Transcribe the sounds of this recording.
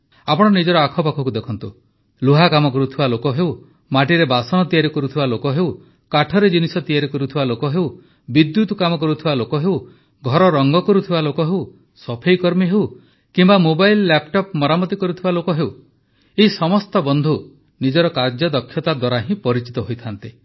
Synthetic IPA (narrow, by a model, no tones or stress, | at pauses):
apɔɽ̃ɔnid͡ʒɔɾɔakʰɔpakʰɔkud̪ekʰɔnt̪u | luɦakamɔkɔɾut̪ʰibalokɔɦew | maʈiɾebasɔñɔt̪ijaɾikɔɾut̪ʰibalokɔɦew | kaʈʰɔɾed͡ʒinisɔt̪ijaɾikɔɾut̪ʰibalokɔɦew | bid̪jut̪kamɔk̬ɔɾut̪ʰibalokɔɦew | ɡʱɔɾɔɾɔŋɡɔkɔɾut̪ʰibalokɔɦew | sɔpʰejkɔɾmiɦew | kimbamobajlːapʈɔpmɔɾamɔt̪ikɔɾut̪ʰibalokɔɦew | eisɔmɔst̪ɔbɔnd̪ʱu | nid͡ʒɔɾɔkaɾd͡ʒɔd̪ɔkʰːjɔt̪ad̪waɾaɦĩpɔɾit͡ʃi̥t̪ɔɦojt̪ʰant̪i